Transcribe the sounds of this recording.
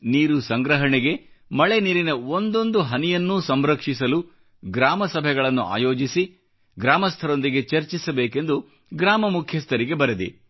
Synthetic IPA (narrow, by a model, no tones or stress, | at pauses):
niːɾusɐŋɡɾɐɦɐɳɛɡe̞mɐɭeniːɾinɐo̞nd̪o̞nd̪uɦɐnijɐnːuːsɐmɾɐkʂisɐlu | ɡɾaːmɐsɐbʱɛɡɐɭɐnːua̰ːjo̞ːd͡ʒisi | ɡɾaːmɐst̪ʰɐɾo̞nd̪iɡe̞t͡ʃɐɾt͡ʃisɐbeːke̞nd̪u | ɡɾaːmɐmukʰjɐst̪ʰɐɾiɡe̞bɐɾed̪ḭ